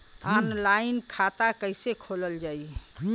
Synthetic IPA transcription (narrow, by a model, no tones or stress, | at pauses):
anlainkʰat̪akəɪsekʰoləld͡ʒai